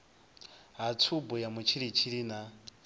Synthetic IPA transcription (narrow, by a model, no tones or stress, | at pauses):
ɦat͡sʰubujamut͡ʃʰiɾit͡ʃʰiɾina